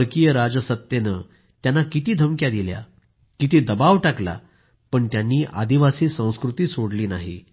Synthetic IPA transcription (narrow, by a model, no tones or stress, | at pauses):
ɾkijəɾad͡zəsət̪jenə | t̪janːakit̪iːd̪ʱəmkjad̪ilja̰ | kit̪iːd̪əbaʋʈakla̰ | pəɳt̪janːiːʔa̰d̪iʋasiːsə̃w̃skɾut̪iːsoɽliːnaɦḭ